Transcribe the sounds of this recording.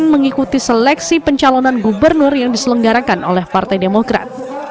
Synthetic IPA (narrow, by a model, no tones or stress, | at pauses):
nməŋikut̪iselɛksipəɲt͡ʃalonanɡubərnʊrjaŋdisələŋɡaɾakanʔolɛhpart̪ajdemokɾa̰t̪̚